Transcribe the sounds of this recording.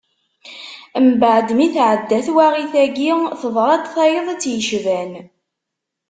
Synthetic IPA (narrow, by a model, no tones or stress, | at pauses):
mbəʕd̪miθʕəd̪ːæθwaʁiθæɡiθəðˤɾˤɑt̪θæjəðˤæt͡sːjəʃvæn